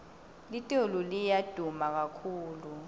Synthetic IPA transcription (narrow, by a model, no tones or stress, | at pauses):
litʼolulijad̥ʱumak̬akʰuːlu